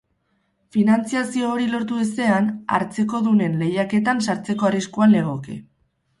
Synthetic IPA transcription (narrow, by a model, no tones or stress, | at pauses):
finant͡siasio̞ːɾilo̞ɾt̪uese̞ana̰ɾt͡se̞ko̞ðune̞nle̞jake̞t̪ansaɾt͡se̞ko̞ariskuanle̞ɣ̞o̞kḛ